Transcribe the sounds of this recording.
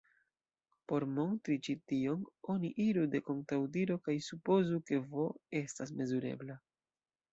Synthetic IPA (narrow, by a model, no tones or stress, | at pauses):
po̞ɾmo̞ntɾit͡ʃitio̞no̞niʔiɾude̞ko̞ŋtawdiɾo̞kajsupo̞zuke̞vo̞e̞stas̬me̞zuɾe̞̰bla